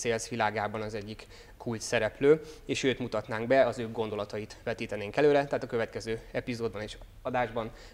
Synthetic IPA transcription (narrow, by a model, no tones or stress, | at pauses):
seːlsʋilaːɡaːbɒnɒzɛɟːikːʰ | ult̪sɛɾɛpløːeːʃøːt̪mut̪ɒt̪naːŋɡbɛɒzøːɡɡo̞nd̪o̞lɒt̪ɒjit̪ʋɛt̪iːt̪ɛneːŋkɛløːɾɛt̪aɦːt̪ɒkø̞vɛt̪kɛzøːɛpizoːd̪bɒneːʃ | ɒd̪aːʒbɒn